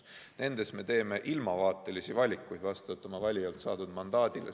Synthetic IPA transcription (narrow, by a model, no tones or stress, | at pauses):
ne̞nd̪̥e̞sme̞t̪e̞ːme̞ʔilmɑvɑːt̪ːˑe̞lisivɑlʲikːˑujd̪vɑst̪ut̪ːˑomɑvɑlʲiɑlt̪sɑːt̪ud̪̥mɑnd̪̥ɑːd̪̥ile